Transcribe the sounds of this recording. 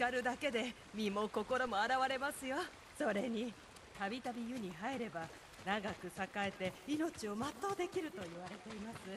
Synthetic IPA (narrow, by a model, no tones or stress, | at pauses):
aɾɯ̟d̪ake̞d̪e̞ | mʲimo̞ko̞ko̞ɾo̞mo̞aɾaβaɾe̞masɨjo̞ | so̞ɾe̞ɲ̟i | t̪abʲit̪abʲijɯ̟ɲ̟iɦaeɾe̞ba | naɡakɯ̟sakae̞t̪e̞ino̞t͡ɕio̞mat̪ːo̞ːd̪e̞kʲiɾɯ̟t̪o̞iβ̞aɾe̞t̪e̞imasɨ